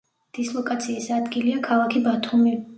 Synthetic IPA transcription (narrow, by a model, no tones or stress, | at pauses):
d̪̥islˠɔkʼat̪sʰiːsad̪ɡiliakʰalˠakʰibat̪ʰumi